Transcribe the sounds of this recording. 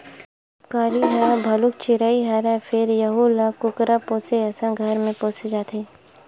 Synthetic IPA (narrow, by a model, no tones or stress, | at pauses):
kaːɾiɦabʱɐlʊkt͡ʃɪɾaːiɦaɾɛfʰɪɾjɐɦulakʊkɾapoːseɛːsãɡʱɐɾmẽpoːsid͡ʒaːt̪ʰiː